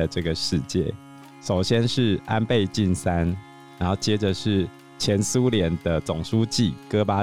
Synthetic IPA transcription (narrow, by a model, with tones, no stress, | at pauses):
ə˩ʈ͡ʂɤ˥˩ɡə˩ʂɻ̩˥˧t͡ɕjɛ̰˥˨˩ | ʂo˨˩ʊɕjɛ˦nʂɻ̩˥˩a˦npe˥˧ɪt͡ɕi˥˨nsa˦n | ɻa˧˦nxo˥˩ʊt͡ɕjɛ˦˥ʈ͡ʂə˨ʂɻ̩˥˩ | t͡ɕʰjɛ˨˦nsu˦ljɛ˧˦nd̪̥ə˧t͡sʊ˨˩ŋʂu˦˥t͡ɕi˥˨kɤ˦pa˦